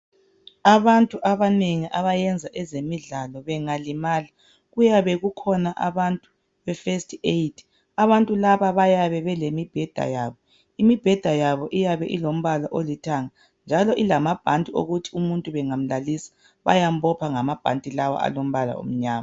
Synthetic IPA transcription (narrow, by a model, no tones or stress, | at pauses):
aβantʼuʔaβaneŋiʔaβajɛnd͡zʱaʔɛzemiɮalɔβɛŋalimaːli | ɣujaβɛɣukʰɔnaʔa̰βantʼu | βɛfestʰʼeitʰ | aβantʼulaβaβajaβɛβɛlemib̥ʱɛd̥ʱa̰jaːβɔ | imib̥ʱɛd̥ʱajaβɔʔijaβɛʔilom̩βalaʔolitʰaŋa | nd͡ʒʱalɔʔilamab̥ʱantʼio̰ɣutʰi̥umuntʼuβɛŋam̩lalisḁ | βa̰jam̩bɔpʰaŋamab̥ʱa̰ntʼilawa̰a̰lom̩βala̰o̰m̩ɲaːma